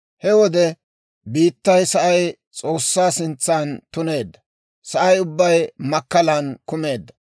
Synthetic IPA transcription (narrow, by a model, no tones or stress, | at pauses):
hɛwɔd̪ɛ | biːt̪ːɐjsɐʔɐj | t͡sʼo̞ːsːaːsɪnt͡sːant̪ʊne̞ːd̪ːɐ | sɐʔɐjʊbːɐjmɐkːɐlɐnkʊme̞ːd̪ːɐ